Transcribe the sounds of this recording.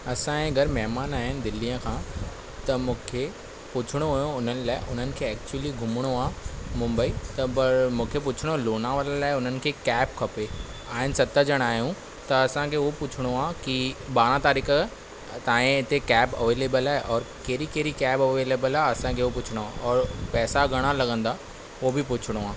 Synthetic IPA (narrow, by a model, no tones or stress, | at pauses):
ɐsãẽɐɡəɾmɛɦmaːnaːɦɪnɪ̆d̪ɪlːijə̃kʰãː | t̪ɐmũːkʰe | pʊt͡ɕʰɪɽ̃oɦojõʊn̤ənɪ̆laːɪʔʊn̤ənɪ̆kʰeːɛːk̚t͡ɕuwəliɡʱʊmɪɽ̃oaːmʊ̃mbəit̪ɐpɐɾmũːkʰepʊt͡ɕʰɪɽ̃oloːnaʋəllaːɪʊn̤ənɪ̆kʰeːkɛːpkʰɐpe | aːɦɪnɪ̆sɐt̪əd͡ʑɐɽ̃aːɦjũ | t̪ɐɐsãkʰeːʊopʊt͡ɕʰɪɽ̃oaːkiɓaːɽ̃ãt̪aːɾiːkə | t̪aːẽɪt̪ekɛːbɐ̰ʋeːleːbəlaːɦeʔɔːɾkeɾikeːɾikɛːbɐʋeːleːbəlaːɐsãkʰeːopʊt͡ɕʰɪɽ̃oaːʔɔːɾpɛːsaɡʱɐɽ̃alɐɠə̃nd̪a | obʱɪpʊt͡ɕʰɪɽ̃oaː